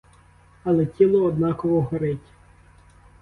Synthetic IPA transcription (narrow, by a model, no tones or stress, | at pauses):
ɐlˠɛtʲilˠɔːd̪nɑkɔʋɔɦɐɾɪtʲ